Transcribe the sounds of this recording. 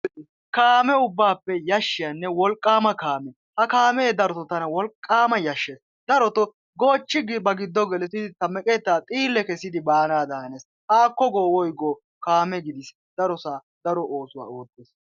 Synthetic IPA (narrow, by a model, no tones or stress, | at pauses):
kaːmɛʊbːaːpːɛjɐʃːɪjɐnːɛwɔlkʼːaːmɐkaːmɛː | hɐkaːmeːd̪ɐɾɔt̪ɔt̪ɐnɐwɔlkʼːaːmɐjɐʃːeːs | d̪ɐɾɔt̪ɔ | ɡo̞ːt͡ʃːɪɡɪbɐɡɪd̪ːɔɡɛlɛt̪ɪd̪ɪt̪ɐmɛkʼɛt̪ːaːt̪ʼiːlːɛkɛsɪd̪ɪbaːnaːd̪aːneːs | haːkːɔɡoːwɔjɡoː | kaːmɛɡɪd̪ɪs | d̪̥ɐɾɔsaː | d̪̥ɐɾɔʔoːsʊwa̰ːoːt̪ːeːs